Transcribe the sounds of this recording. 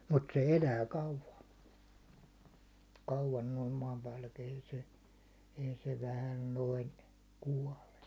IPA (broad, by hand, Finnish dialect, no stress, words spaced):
mut se elæː kɑuʋɑ kɑuʋɑn noim mɑːmpæːlːæki ei se ei se ʋæhæl noin kuɒle